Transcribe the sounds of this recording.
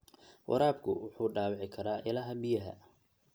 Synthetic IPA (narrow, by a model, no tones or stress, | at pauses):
wʔɑ̰ɾaːb̚kʰʊ̰wʊħuːɖaːwɪʕɪkʰɐɾaːʔɪlɐɦɐbɪjɐɦɐ̰